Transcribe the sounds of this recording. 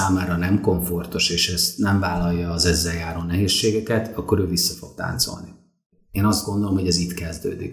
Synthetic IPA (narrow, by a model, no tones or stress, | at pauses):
aːmaːɾɒnɛmko̞ɱfo̞rt̪uʃeːʃɛst̪nɛɱvaːlɒjːɒːzɛzːɛjaːɾoːnɛɦeːʃːeːɡɛkɛt̪ɒkːo̞ɾøːvisːɒfo̞ɡ̚t̪a̰ːnt̪so̰lni | eːnɒzd̪̚ɡo̞nd̪o̞lo̞mho̞ɟɛzit̪kɛzd̪ø̰ːd̪ḭk